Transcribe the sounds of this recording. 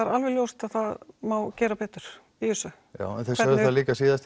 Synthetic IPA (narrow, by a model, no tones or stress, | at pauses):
ɛɾalvɛljowst̪aðθaðmawcɛːɾapɛːt̪ʏɾ̥piʏsʏ | ja̰ːwɛ̰nθɛsœːðɪnθaliːkasiːðast̪